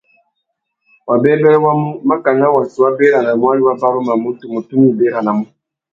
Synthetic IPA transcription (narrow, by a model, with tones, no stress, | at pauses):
wʔa˨bɛ˦bɛ˦ɾɛ˦wa˦mu˦ma˦ka˨ŋa˦wa˨si˨wa˦be˦ɾa˨na˨mu˦a˦ɾi˦wa˦ba˦bu˦ma˨mu˦tu˨mu˨tu˦ni˦˨be˦ɾa˨na˨mu˦